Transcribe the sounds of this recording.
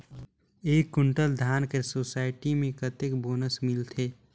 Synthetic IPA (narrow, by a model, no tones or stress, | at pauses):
eːkːʊɳʈəld̪ʱaːnkesoːsaːɪʈimẽkət̪ɪkboːnəsmɪlt̪ʰeː